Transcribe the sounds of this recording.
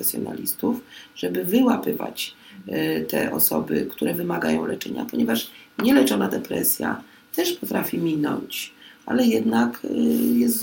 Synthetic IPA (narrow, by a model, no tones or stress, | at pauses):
ɛsʲjɔna̰lʲist̪ufʐ̥ɛbɘvɘwapɘva̰t͡ɕ | t̪ɛʔɔsɔbɘ̰kt̪uɾɛvɘmaɡajɔ̃w̃lɛt͡ʂɛɲapɔɲɛvaʂɲɛlɛt͡ʂɔnad̪ɛpɾɛsʲja̰ | t̪ɛʂpɔt̪ɾafʲimʲinɔɲt͡ɕa̰lɛjɛd̪nakjɛst̪z